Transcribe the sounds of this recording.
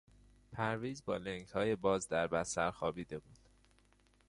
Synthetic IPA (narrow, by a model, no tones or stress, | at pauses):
pʰæɾviːzbɒːleŋkhɒːjebɒːzd̪æɾbæsæɾxɒːbiːd̪e̞buːd̪̥